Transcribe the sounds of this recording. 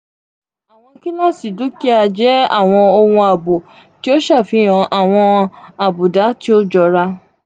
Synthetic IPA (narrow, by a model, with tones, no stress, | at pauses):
a˨w̃ɔ̃˧ki˦nã˦˨si˨du˨˦ki˦a˧d͡ʒɛ˦a̰˦˨w̃ɔ̃˧o˧wũ˧a˨bo˨ | ti˨˦o˦ʃa˦˨fi˨˦j̃ɔ̃˧ʔa˨w̃ɔ̃˧a˨bu˨da˨˦ti˦o˦d͡ʒɔ˧ɾa˧